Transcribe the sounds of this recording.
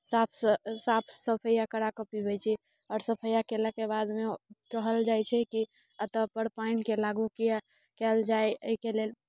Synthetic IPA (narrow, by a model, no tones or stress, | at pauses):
sapʰsapʰsəpʰəjakəɽakəpibɛjt͡ʃʰɛ | ɔːɾsəpʰəjakeləkebad̪mekəɦəld͡ʒajt͡ʃʰɛki | ət̪əpəɽpainkelaɡukija | kɛld͡ʒajəikelel